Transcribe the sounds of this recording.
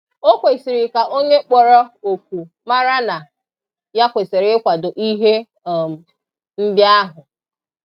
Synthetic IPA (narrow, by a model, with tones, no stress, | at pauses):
o˦kʷe˨si˨ɾi˨ka˨ʔo˦ɲe˦k͡pɔ˨ɾɔ˦o˨kʷu˨ | ma˦ɾa˦na˨ | ja˦kʷe˨se˨ɾɪ˦kʷa˨dʊ˨ʔi˦ɦe˦˨ | m̩˨ | m̩˦bja˦ɦʊ˨